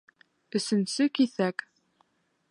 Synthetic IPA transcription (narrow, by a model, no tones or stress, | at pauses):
ɵ̆sɵ̆nsɵkiθæk